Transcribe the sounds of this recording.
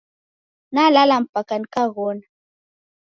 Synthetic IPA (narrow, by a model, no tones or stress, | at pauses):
nalalam̩pakanikaɣona